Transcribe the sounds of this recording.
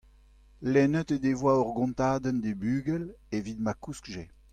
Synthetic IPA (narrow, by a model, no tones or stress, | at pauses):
lɛnət̪ed̪evwaɔʁɡɔ̃nt̪aːd̪ənd̪ebyːɡɛlevit̪makuskʒe